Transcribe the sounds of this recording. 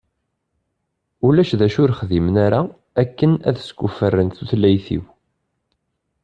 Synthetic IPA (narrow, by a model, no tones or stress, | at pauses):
ulæʃðæʃʊɾχðimnaɾa | ækːənæ̰ðsɡʷufərːənθuθlːæjθḭw